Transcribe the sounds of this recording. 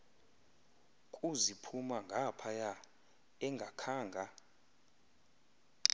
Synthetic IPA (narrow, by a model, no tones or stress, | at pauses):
kʼuzipʰumaŋɡʱapʰaja | ɛŋɡʱakʰaːŋɡʱa